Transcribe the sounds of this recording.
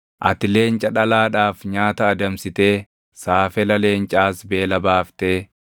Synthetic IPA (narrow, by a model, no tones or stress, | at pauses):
ʔɐt̪ɪle̞ːnt͡ʃʼɐᶑɐlaːᶑaːfɲaːt̪ɐːd̪ɐmsɪt̪e̞ː | saːfɛlɐle̞ːnt͡ʃʼaːsbe̞ːlɐbaːft̪eː